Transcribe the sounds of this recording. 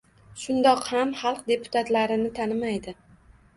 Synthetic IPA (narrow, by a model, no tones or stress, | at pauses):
ʃʊnd̪ɒqhamχɑlˠq̚d̪e̞pʰʊ̥t̪ʰat̪laɾɪnɪt̪ʰanɪmajd̪ɪ